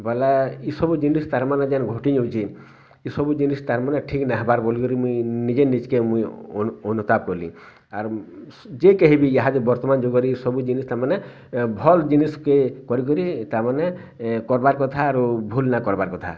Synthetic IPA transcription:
bɔlaisɔbud͡ʒinist̪aɾmanad͡ʒanɡʱoʈiɲɔwt͡ʃʰi | isɔbud͡ʒinist̪aɾmaneʈʰiknaɦbaɾbolikɔɾimũjnid͡ʒenit͡ʃkemujɔnut̪ab̚kɔɾlḭ̃ | aɾd͡ʒekeɦibiaɦad͡ʒebɔɾt̪ɔmand͡ʒoɡɔɾiːsɔbud͡ʒinist̪amane | bʱɔld͡ʒiniskekɔɾik̬ɔɾit̪amane | kɔɾbaɾkɔt̪ʰaːɾubʱulnakɔɾbaɾkɔt̪ʰa̰

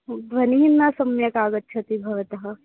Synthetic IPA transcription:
ʋɐniɦinːasɐmjɐkaːɡɐt̪t͡ʃʰɐt̪ibʱɐʋɐt̪ɐɦɐ

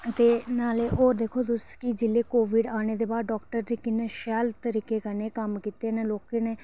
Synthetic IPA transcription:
t̪eːnaːleːʔoːɾd̪eːkʰoːt̪ʊskɪd͡ʒɪlːeːkoːʋɪɖaːɽ̃eːd̪eːbaːd̪ɖɔːkʈəɾd̪iːkɪneːʃɛːlt̪əɾiːkeːkəneːkəmkiːt̪eːneːloːkeneː

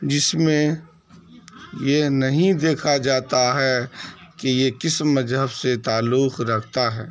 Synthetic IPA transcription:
d͡ʒɪsmẽ | jenɐɦĩd̪eːkʰad͡ʒaːt̪aɦɛkejekɪsmːɐzɦəbset̪aːlːuxɾɐkʰt̪aɦɛː

